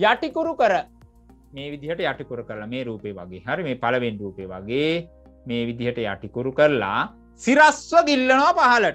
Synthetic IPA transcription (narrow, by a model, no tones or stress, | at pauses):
jaʈikuɾukəɾə | meːʋid̪iɦəʈəjaʈikuɾukəɾəlameːɾuːpejʋa̰ɡeːɦaɾimeːpaləʋenruːpeʋa̰ɡeː | meːʋid̪iɦəʈəja̰ʈikuɾukəɾəla̰ | siɾasʋəɡilːənoʋapaɦɐləʈə